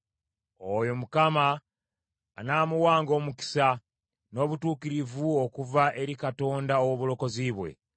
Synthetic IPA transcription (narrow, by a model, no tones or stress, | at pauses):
ojo̞mukamaː | naːmuwaːŋɡo̞ːmuki̥sa | no̞ːβutuːkiɾivuo̞kuvaʔe̞ɾikato̞ːndaowoβulo̞ko̞ziβwe̞̰